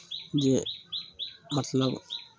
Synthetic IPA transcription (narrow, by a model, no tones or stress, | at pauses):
d͡ʒe | mɐt̪lɐb